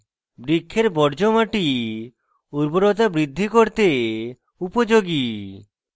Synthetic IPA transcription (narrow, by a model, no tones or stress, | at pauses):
bɾikʰːeɾbɔɾd͡ʒomaʈi | uɾboɾɔt̪abɾid̪ʱːikoɾt̪e | upod͡ʒoɡi